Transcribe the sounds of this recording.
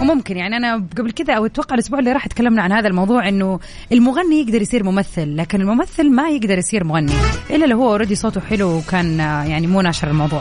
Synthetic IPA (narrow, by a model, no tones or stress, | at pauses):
mʊmkɪnjaʕniʔanaɡablkɪd̪aʔawɪt̪ːwɑqːɑʕɪlʔʊsbuːʕɪlːiːɾˤɑːħʔat̪kalːamnaʕanhaːðalmɑwðˤuːʕʔɪnːʊ | ʔɪlmʊɣanːijɪɡd̪ɑɾˤjsˤiːɾmʊmaθːɪlːaːkɪnɪlmʊmaθːɪlmajɪɡd̪ɑɾˤjɪsˤiːɾmʊɣanːiʔɪlːalːɪhʊwːaʔɾˤɑːd̪isˤoːt̪ʊħɪluwkaːnjaʕnimuːnaːʃɪɾˤɪlmɑwðˤuːʕ